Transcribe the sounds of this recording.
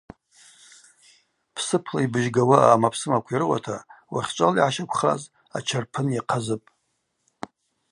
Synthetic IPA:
pʰsɨpʰlaibɨʒɡawaamapʰsɨmakʷʰirɨwa̰tʰawa̰χʲt͡ʃʷʼaliʕaʃakʷʰχa̰z | a̰t͡ʃʰarpʰɨnjaqʰazɨpʼ

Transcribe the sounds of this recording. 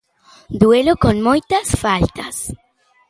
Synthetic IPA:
d̪welokonmojt̪asfalt̪as

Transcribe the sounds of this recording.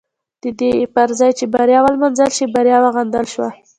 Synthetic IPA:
d̪̥əd̪epaɾzɑjt͡ʃebaɾjɑwalmanzəlʃibaɾjɑwaɣand̪əlʃwa̰

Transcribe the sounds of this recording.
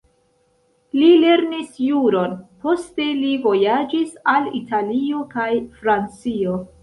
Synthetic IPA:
lile̞ɾnisjuɾo̞npo̞ste̞livo̞jad͡ʒisalḭtalio̞kajfɾant͡sio

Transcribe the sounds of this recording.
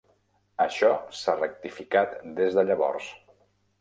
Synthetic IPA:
əʃɔsarək̚t̪ifikat̪d̪ezðəʎəβɔ̰rs

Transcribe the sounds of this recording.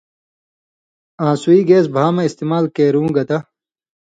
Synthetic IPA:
ãːsuiːɡeːsbʱaːmɐ̃ist̪eːmaːlkeːɾũːɡɐt̪ɐ

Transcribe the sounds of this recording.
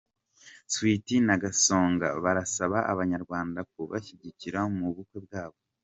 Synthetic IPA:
switinaɡaso̞ːŋɡa̰βaɾasaβaʔaβaɲaɾɡwaːndak̚uβa̰çiɟiciɾamuβukweb̚ɡaːβo

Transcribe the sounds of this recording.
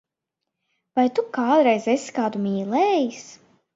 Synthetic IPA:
vajt̪ukaːd̪ɾɛjzesi̥kaːd̪umʲiːlɛːjis

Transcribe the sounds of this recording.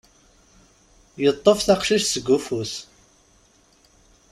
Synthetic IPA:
jət̪ˤːofθaqʃiʃsəɡːufus

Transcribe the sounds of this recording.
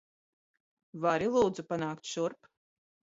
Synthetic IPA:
vaɾilˠuːd̪zupanaːkt̪ʃuɾp

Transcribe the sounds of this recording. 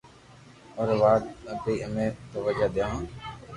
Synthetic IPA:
ɔːɾʋaːt̪əpeːəmẽːt̪oʋəd͡ʒaːd̪jãː

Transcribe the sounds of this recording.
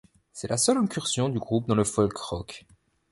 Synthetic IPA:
sɛlasœlɛ̃kʲyʁsjɔ̃d̪yɡʁup̚d̪ɑ̃ləfɔlkʁɔk

